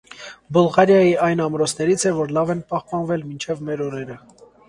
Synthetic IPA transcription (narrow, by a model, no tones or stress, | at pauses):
bulˠʁɑɾjɑjiʔɑjnɑmɾɔt͡sʰnɛɾit͡sʰɛvɔɾlɑvɛnpɑhpɑnvɛlmint͡ʃʰɛvmɛɾɔɾɛɾə